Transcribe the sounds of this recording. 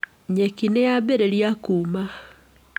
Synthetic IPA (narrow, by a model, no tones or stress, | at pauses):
ɲekinejabeɾeɾjakuma